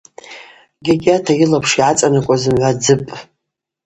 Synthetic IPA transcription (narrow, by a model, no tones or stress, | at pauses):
ɡʲaɡʲatʰajilapʰʂiʕat͡sʼanakʷʼazɨmʕʷad͡zɨpʼ